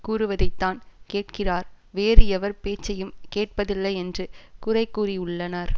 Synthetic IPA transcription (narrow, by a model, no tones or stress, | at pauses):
kuːɾɯʋɐðɐɪt̪ːaːnkeːʈkɪraːɾ | ʋeːrɯɛʋɐɾpeːt͡ʃːɐjɯmkeːʈ̚pɐðɪlːɐɪɛndrɯkʊrɐɪkːuːriʊɭːɐnaːɾ